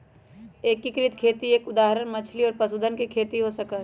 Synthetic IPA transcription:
eːkːikɾɪt̪kʰeːt̪ieːkʊd̪aːɦɾənmɐt͡ʃʰliɔːɾpɐsud̪ʱənkekʰeːt̪iɦosəka

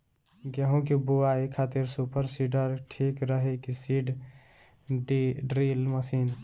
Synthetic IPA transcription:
ɡeɦũkibuaːikʰaːt̪ɪɾsupəɾsiɖəɾʈʰiːkɾəɦekisiːɖ | ɖɖɾiːlməsiːn

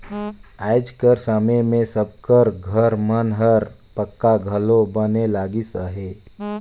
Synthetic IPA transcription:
aɪd͡ʒkəɾsəmemẽsəb̚kəɾɡʱəɾmənɦəɾ | pəkːaɡʱəlobənelaːɡisəɦe

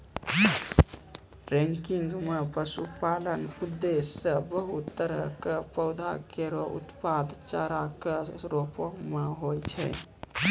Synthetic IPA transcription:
ɾɛ̃ŋkiŋɡmepəsupalənud̪ːesːəbəɦut̪ːəɾə̰kepəʊd̪ʱa̰keɾoʔṵt̪pad̪t͡ʃaɾakeɾopomeɦojt͡ʃʰɛ̰

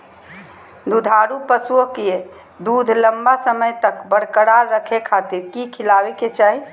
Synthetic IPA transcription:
d̪ud̪ʱaɾupəsuokie | d̪ud̪ʱləmbasəməjt̪əkbəɽ̤kəɽaɾəkʰekʰat̪iɾkikʰilaweket͡ʃaːɦi

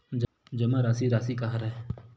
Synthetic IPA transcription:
d͡ʒ | d͡ʒɐmãɾaːsiɾaːsikaɦaɾaɦe

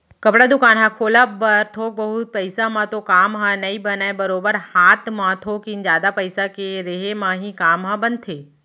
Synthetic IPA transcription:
kɐpɽad̪ʊkaːnɦãkʰoːlabɐɾt̪ʰoːk̚bɐɦʊt̪̚pɐɪsãmãt̪okaːmɦãnɐibɐnaːebɐɾoːbəɾhaːt̪mãt̪ʰoːkind͡ʒjaːd̪apəɪsakeɾeɦemãɦĩkaːmɦãbɐnt̪ʰeː

